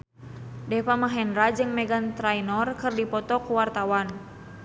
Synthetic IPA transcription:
dɛpamaɦɛnɾad͡ʒɨŋmɛɡant̪ɾajnɔrkɨrdipɔt̪ɔkuwart̪awan

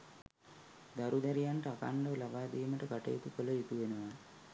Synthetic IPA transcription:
d̪aɾud̪æɾijanʈəaka̰ɳɖəlabaːd̪iːməʈəɡaʈə̰jet̪ukələjut̪uʋenəʋa

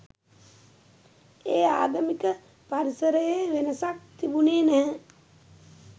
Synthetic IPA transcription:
eːa̰ːd̪əmikə | paɾisəɾəjeʋenəsak̚t̪ibuneːnæɦə

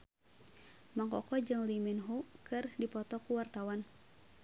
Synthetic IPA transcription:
maŋkɔ̰kɔd͡ʒɨŋlimɛnɦukɨrdipɔt̪ɔkuwart̪awan

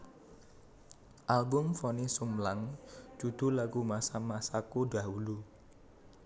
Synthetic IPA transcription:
ʔalɡʊmfɔnisumlaŋd͡ʒ̥ud̪̥ṳlaɡumasamasakodaɦulu

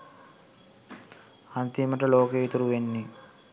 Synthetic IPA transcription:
ɐnt̪iməʈəloːkeit̪uɾuʋenːi

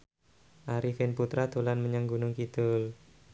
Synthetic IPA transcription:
ʔaɾifɪnput̪ɾat̪olanməɲaŋɡunʊŋkit̪ʊl

